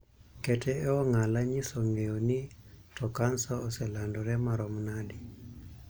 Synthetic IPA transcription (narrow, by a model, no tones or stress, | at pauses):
kɛtʰɛɛɔŋalaɲisɔŋɡeɔnitɔkansɔːsɛlandɔɾɛmaɾɔmnadi